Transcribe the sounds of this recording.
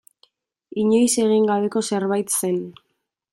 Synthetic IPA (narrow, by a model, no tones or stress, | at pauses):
iɲe̞jse̞ɣ̞iŋɡaβe̞ko̞se̞ɾβajt̪se̞n